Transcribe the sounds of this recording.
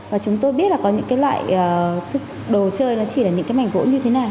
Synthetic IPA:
vaː˨˩t͡ɕʊ˨˦ŋ͡mt̪o˧jɓi˦˥t̚laː˨˩kɔ˨˦ɲɨ̰˧˥ŋkaː˨˦jlwa̰ː˧˨jəː˨˩t̪ʰɨ˦˥k̚ɗo˨˩t͡ɕəː˧jnɔ˨˦t͡ɕi˧˩laː˨˩ɲɨ̰˧˥ŋaː˨˦jma˨˩ŋ̟vo̰˧˥ɲɨ˧t̪ʰe˨˦naː˨˩w

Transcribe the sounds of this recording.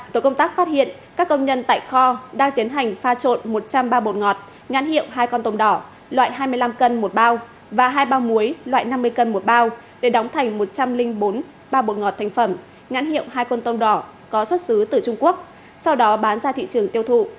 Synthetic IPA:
o˨˩kə˧wŋ͡mt̪aː˦˥k̚faː˦˥t̚hḭ˧˨ən | kaː˦˥kːə˧wŋ͡mɲə˧nt̪a̰ː˧˨jxɔ˧ɗaː˧ŋt̪i˨˦ənɦa˨˩jŋ̟faː˧t͡ɕo̰˧˨nmo˨˩t̚t͡ɕa˧mɓaː˧ɓo˨˩t̚ŋɔ˨˩t̚ | ɲa̰˧˥nhḭ˧˨əwɦaː˧jkɔ˧nt̪ə˧wŋ͡mɗɔ˧˩ | lwa̰ː˧˨jɦaː˧jmɨ˧əjla˧mkə˧nmo˨˩t̚ɓaː˧w | vaː˨˩ɦaː˧jɓaː˧wmu˨˦əjlwa̰ː˧˨jna˧mːɨ˧əjkə˧nmo˨˩t̚ɓaː˧w | ɗe˧˩ɗɔ˨˦wŋ͡mt̪ʰa˨˩jŋ̟mo˨˩t̚t͡ɕa˧mlï˧ŋ̟ɓo˨˦n | ɓaː˧ɓo˨˩t̚ŋɔ˨˩t̪ʰa˨˩jŋ̟fə˧˩m | ɲa̰˧˥nhḭ˧˨ə˨wɦaː˧jkwə˧nt̪ə˧wŋ͡mɗɔ˧˩kɔ˨˦swə˦˥t̚sɨ˨˦t̪ɨ˨˩t͡ɕʊ˧ŋ͡mku˦˥ək̚ | sa˧wɗɔ˨˦ɓaː˨˦nzaː˧t̪ʰḭ˧˨t͡ɕɨ˨˩əŋt̪i˧əwt̪ʰṵ˧˨

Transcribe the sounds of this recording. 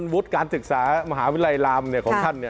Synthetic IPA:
nwu˦˥t̪̚kaː˧nsɯ˨˩k̚saː˩˦ma˧ɦaː˩˦wi˦˥laː˧jlaː˧mni˧˩kʰɔː˨˦ŋt̪ʰa˧˥˩nːi˧˩˨

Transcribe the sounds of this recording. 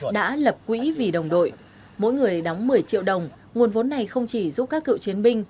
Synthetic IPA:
ɗa̰ː˧˥lə˨˩p̚kwḭ˧˥vi˨˩ɗə˨˩wŋ͡mɗo̰˧˨j | mo̰˧˥jŋɨ˨˩əjɗa˨˦wŋ͡mmɨ˨˩əjt͡ɕḭ˧əwɗə˨˩wŋ͡m | ŋu˨˩ənvo˨˦nːa˨˩jxə˧wŋ͡mt͡ɕi˧˩zu˦˥p̚kaː˦˥kːɨ̰˧˨wt͡ɕi˨˦ənɓï˧ŋ̟

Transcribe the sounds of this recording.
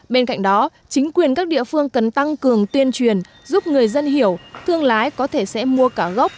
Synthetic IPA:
ɓe˧nka̰˧˨jŋ̟ɗɔ˨˦ | t͡ɕï˨˦ŋ̟kwi˨˩ənkaː˦˥k̚ɗḭ˧˨əfɨ˧əŋkə˨˩nt̪a˧ŋkɨ˨˩əŋt̪wi˧ənt͡ɕwi˨˩ən | zu˦˥p̚ŋɨ˨˩əjzə˧nɦi˧˩əwt̪ʰɨ˧əŋlaː˨˦jkɔ˨˦t̪ʰe˧˩sɛ̰˧˥mu˧əkaː˧˩ɣə˦˥wk͡p̚

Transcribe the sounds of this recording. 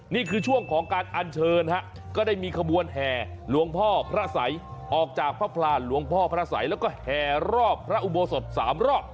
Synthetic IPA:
niː˥˩kʰɯː˧t͡ɕʰu˥˩əŋkʰɔː˩˦ŋkaː˧nʔa˧nt͡ɕʰɤː˧nʰa˦˥ʔ | kɔː˥˩daː˥˩jmiː˧kʰa˧bu˧ənɦɛː˨˩ | lu˩˦əŋpʰɔː˥˩pʰɾa˦˥sa˩˦jʔɔː˨˩k̚t͡ɕaː˨˩k̚pʰɾa˦˥pʰlaː˧nlu˩˦əŋpʰɔː˥˩pʰɾa˦˥sa̰˩˦jlɛ˦˥wkɔː˥˩hɛː˨˩ɾɔː˥˩pʰːɾa˦˥ʔu˨˧bo˧so˨˩t̪̚saː˩˦mɾɔː˥˩p̚

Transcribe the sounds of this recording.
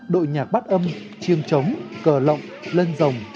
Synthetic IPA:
ɗo̰˧˨jɲaː˨˩k̚ɓa˦˥t̚ʔə˧m | t͡ɕi˧əŋt͡ɕə˨˦wŋ͡mkəː˧˩lə̰˧˨wŋ͡mlə˧nzə˨˩wŋ͡m

